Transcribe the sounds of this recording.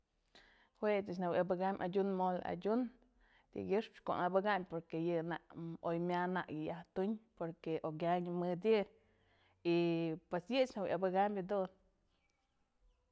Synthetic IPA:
hwet̪ɨt͡ʃ̬nawjʔabɨɡamʲʔa̰d͡ʒʲunmol̰a̰d͡ʒʲun | d̪̥ʲḭɡɨʂpt͡ʃko̰nabɨɡampoɾkejɨna̰ʔojmʲanaʔjɨjaht̪uɲpoɾkeʔoɡʲjaɲmɨd̪ʲjɨ | ipesjɨt͡ʃnawja̰bɨɡambʲad̪un

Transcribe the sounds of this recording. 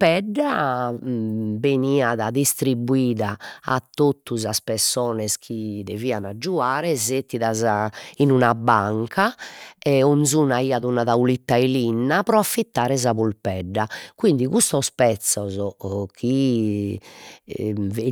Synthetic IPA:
pɛɖːa | beniːaðaðist̪ɾibːuiːða̰ːt̪ːot̪ːuzaspɛɾsɔːnɛskʰid̪eviːanad͡ʒːuaːɾɛzet̪ːiðazainunabaŋkʰaɛonzuːnaiːaðunaðaulit̪ːailinːapɾɔafːit̪ːaːɾɛzaβulpɛɖːakwind̪iɣust̪ɔspɛt̪sːɔzɔkʰi | ve

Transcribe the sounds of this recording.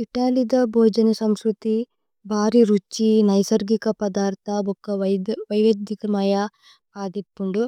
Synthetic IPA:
iʈaːlid̪ɐbʱɔːd͡ʒɐnɐsɐmskɾut̪i | bʱaːɾiɾut͡ʃːinɐjsɐɾɡikɐpɐd̪aːɾt̪ʰɐbɔkːɐʋɐjʋɐd̪jikɐmɐja | kaːd̪ipːuɳɖu

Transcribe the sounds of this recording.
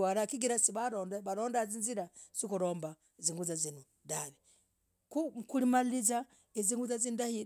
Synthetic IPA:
aɾakiɡiɾasiβaɾoːndeβaɾoːndaaziːnziɾaz̥ikuɾoːmba | eziːŋɡuzazinu | daβi | kukulimalliza | eziːŋɡuzazindahi

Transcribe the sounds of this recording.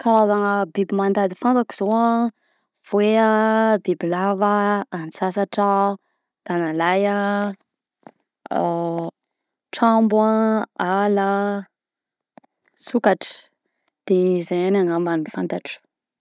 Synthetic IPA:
kaɾazaŋəbibimand̪ad̪ifant̪aku̥z̥oa | v̥eabibilavəːnsasaʈ͡ʂə | d̪̥analaja | ʈ͡ʂambwaala | sukaʈ͡ʂə̥ | d̪̥eizajanaŋamanufant̪aʈ͡ʂə̥

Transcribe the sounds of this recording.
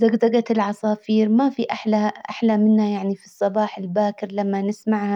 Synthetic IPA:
zaɡd̪aɡat̪ɪlʕɑsˤɑːfiːɾmafiʔaħlaʔa̰ħlamɪnːajaʕnifisˤːɑbɑːħɪlbaːkɪɾlamːanɪsmaʕha

